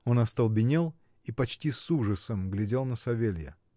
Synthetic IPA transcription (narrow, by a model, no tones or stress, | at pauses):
o̞nɐst̪əlˠbʲɪnʲelˠ | ipɐt͡ɕtʲisuʐəsəmɡlʲɪdʲelˠnəsɐvʲelʲjə̰